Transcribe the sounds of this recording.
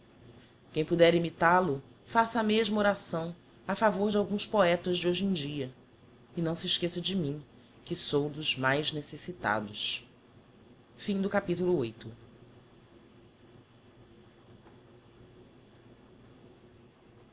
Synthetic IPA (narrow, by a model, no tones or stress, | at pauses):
kẽj̃pud̪ɛɾimit̪alʊ | fasɐmeʒmɐoɾasɐ̃w̃ | afavoɾd͡ʒɪawɡũspoɛt̪ɐzd͡ʒɪoʒẽj̃d͡ʒiɐ | ɪnɐ̃w̃sɪʃkesɐd͡ʒɪmĩ | kɪsowd̪ʊzmajznesesit̪a̰d̪ʊs | fĩd̪ʊkapit̪ulʊojt̪ʊ